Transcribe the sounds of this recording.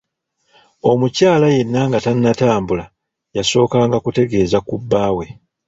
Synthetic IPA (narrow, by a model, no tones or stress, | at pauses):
o̞mucaːlaje̞nːaŋɡatanːataːmbula | jaso̞ːkaːŋɡakute̞ɡe̞ːzakubːaːwe̞